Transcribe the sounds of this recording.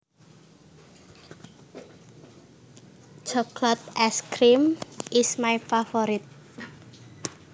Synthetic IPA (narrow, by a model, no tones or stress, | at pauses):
d͡ʒɔkʰlat̪̚ɛskɾimʔɪsmajfafɔɾit̪̚